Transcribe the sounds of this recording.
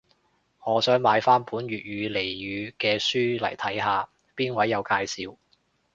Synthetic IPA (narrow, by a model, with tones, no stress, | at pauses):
ŋɔː˨˧sœː˨˥ŋmaː˨˧jfaː˥npuː˨˥nɥyː˨t̚jyː˨˧le˨˩jjyː˨˧kɛː˧syː˥lɐ̰˨˩jt̪ʰɐ˨˥jɦaː˨˧ | piː˥nwɐ˨˥jːɐ˨˧wkaː˧jsiː˨˧w